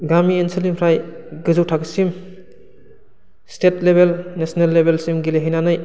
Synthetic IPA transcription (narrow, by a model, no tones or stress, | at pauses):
ɡamiensilimpʰɾajɡɯzuwtʰaksim | stetlebelnesnelːebelsimɡileɦajnanaj